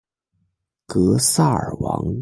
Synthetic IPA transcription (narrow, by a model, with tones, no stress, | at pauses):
kɤ˧˥sa˥˩ə̰˞˨˩wɑ̰˧˥ŋ